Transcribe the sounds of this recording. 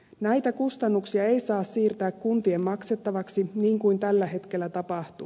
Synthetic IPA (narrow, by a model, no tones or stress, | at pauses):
næjt̪ækust̪ɑnːuksiɑe̞jsɑːssiːrt̪æːkkunt̪iemːɑkset̪ːɑʋɑksiniːŋkujnt̪ælːæɦe̞t̪ke̞lːæt̪ɑpɑht̪u